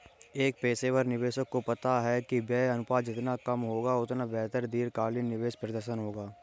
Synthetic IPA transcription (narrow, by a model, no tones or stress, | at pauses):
eːk̚peːseːwəɾnɪʋeːʃəkːopɐt̪aɦɛkibɛːɐnʊpaːd͡ʒɪt̪nakɐmɦoːɡaʊt̪nabɛɦt̪əɾd̪iːɾkaːlinːɪʋeːʃpɾəd̪əɾʃənɦoːɡaː